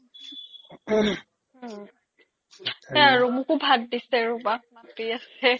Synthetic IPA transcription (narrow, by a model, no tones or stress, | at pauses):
ɛaɹumukubʱaddisɛɹubak̚mapiasɛ